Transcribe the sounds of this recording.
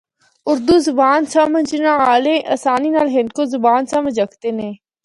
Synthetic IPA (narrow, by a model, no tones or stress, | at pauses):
ʊɾd̪uːzʊbaːnsɐməd͡ʒnãaːlẽʔɐsaːniːnaːlɦɪnd̪kozʊbaːnsɐməd͡ʒəkʰt̪eːnẽː